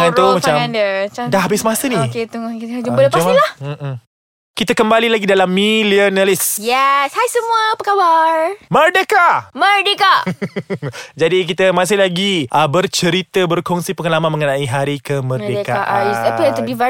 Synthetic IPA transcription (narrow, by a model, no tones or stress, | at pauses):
ŋant̪omat͡ʃamandəat͡ʃadaɦabɪsmasəniket̪uŋkit̪d͡ʒumbələplahm̩ | kit̪əkəmbalilaɡidalamːiliənalɪsjɛshajsəmũəpəkawarmərdekamərdeka | d͡ʒadik̬it̪əmãs̬ɪhlaɡiʔəbərt͡ʃəɾit̪əbərkɔŋsipəŋəlamanməŋənaiɦaɾikəmərdekaaʔaisapəat̪əbiva